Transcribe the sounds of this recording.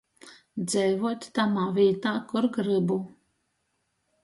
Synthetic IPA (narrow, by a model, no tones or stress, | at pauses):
d̪zɛjvuɔt̪ʲt̪amaːvʲiːt̪aːkuɾɡɾɨbu